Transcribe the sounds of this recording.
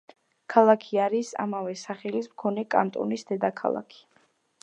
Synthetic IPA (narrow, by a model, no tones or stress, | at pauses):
kʰalˠakʰiaɾisa̰mavɛsaχɛlismkʰɔnɛkʼa̰nt̪ʼɔ̰nisd̪ɛd̪akʰa̰lˠa̰kʰi̥